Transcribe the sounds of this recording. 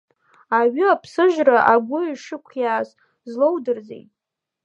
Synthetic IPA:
aɥʏapʰsɨʒᶣraʔaɡʷʊiʂɨkʷʰjaːs | zlowdɨrzḛjtʼ

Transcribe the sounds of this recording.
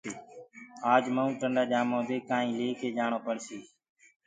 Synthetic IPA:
aːd͡ʒməũːʈəɳɖaːd͡ʒaːmõːd̪eːkãːɦĩːleːkʰeːd͡ʒaːɳoːpəɳsiː

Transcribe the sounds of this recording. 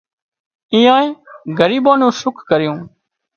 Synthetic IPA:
ĩːãːẽːɡəɾiːbaːnũːsʊkʰkəɾɪjũː

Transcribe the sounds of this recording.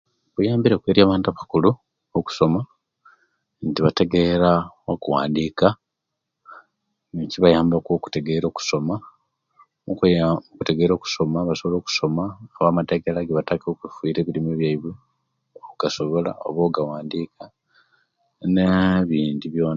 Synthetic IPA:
βujaːmbiɾekweːɾjaːβaːntuaβḁkulu | oku̥so̞ma | ntiβate̞ɡe̞ɾaokuwa̰ːndiːka | ciβajaːmbakoku̥te̞ɡe̞ɾo̞ːku̥so̞ma | kuteɡe̞ɾo̞ːku̥so̞maβaso̞βoloːku̥so̞maːβaːmateɡelaɡeβatakokifuiːɾe̞ːβilimeβjaiβu | oɡ̥asoβola̰o̰βoɡawaːndika | neβiːndiβjo̞ːn

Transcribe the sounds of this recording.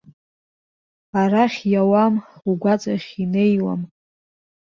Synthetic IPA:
aɾaχʲjawamuɡʷat͡sʼaχʲine̞jwa̰m

